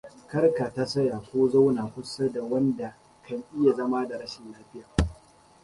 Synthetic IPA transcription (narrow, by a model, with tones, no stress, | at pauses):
kɐ˦rka˨ta˦sɐ˦ja˨kʷoː˦za˦wnaː˨kʷʊ˦sa˦da˨wɐ˦nda˨ | kʰɐ˨ɲʔɪ˦ja˨zɐ˦ma˦da˨ɽɐ˦ʃɪ˨nlaː˦ɸɪ˦jaː˨